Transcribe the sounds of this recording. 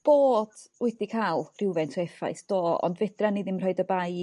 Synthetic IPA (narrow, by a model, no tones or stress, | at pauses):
b̥oːd̥wɛdikʰalˠr̥ɪwvɛntʰɔɛfa̰jsd̥oːɔ̰ndvɛd̥raniðɪmr̥ɔɨdəbaj